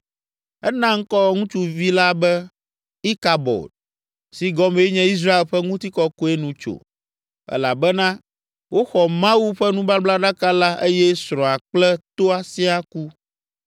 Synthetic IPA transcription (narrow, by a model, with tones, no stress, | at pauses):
ɛ˦nã˦ŋ̩˦kɔ˦ŋũ˦t͡ʃu˦vi˦la˦bɛ˦ | i˦ka˨bɔ̰˨d | si˨ɡɔ˦me˦ɲɛ̃˦i˦s̬ɾa˦e˨lɸɛ˦ŋũ˦t̪i˦kɔ˦ko˦e˦nũ˨t͡ʃo̰˨ | ɛ̰˦la˨bɛ˦nã˦ | wo˦xɔ˨mã˦wu˦ɸɛ˦nũ˦ba˦bla˦ɖa˦ka˦la˦ʔe˦jɛ˦sɾɔ̃˨a˨k͡plɛ˦t̪o˦a˨si˦a˦ku˦